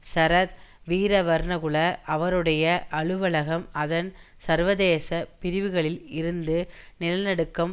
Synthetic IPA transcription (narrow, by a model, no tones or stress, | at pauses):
sɐɾɐt̪̚ʋiːɾɐʋɐɾɳɐɣɯɭɐʔɐʋɐɾɯɽɐjɐʔɐɭɯʋɐɭɐɣɐmɐðɐn | sɐɾʋɐðeːsɐpɪɾɪʋɯɣɐɭɪlɪɾɯnd̪ɯnɪlɐnɐɽɯkːɐm